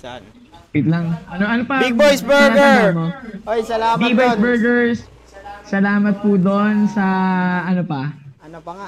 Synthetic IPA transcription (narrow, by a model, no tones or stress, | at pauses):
pɪt̪lɐŋʔɐnoʔɐnopɐbiɡbojsbɛɐmojibajbɛɹɡɛɹs | sɐlaːmɐt̪̚pud̪o̞nsɐʔɐnopɐ